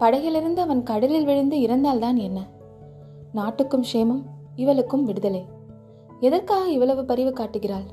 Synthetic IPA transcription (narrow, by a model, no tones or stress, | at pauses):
pɐɽɐɪɣɪlɪɾɯnd̪ɯɐʋɐnkɐɽɐlɪlʋɪɻɯnd̪ɯɪɾɐnd̪aːlt̪aːnɛnːɐ | naːʈːɯkːɯmʂeːmɯm | ɪʋɐɭɯkːɯmʋɪɽɯðɐlɐɪ | ɛðɐɾkaːɣɐɪʋːɐɭɐʋɯpɐɾɪʋɯkːaːʈːɯɣɪraːl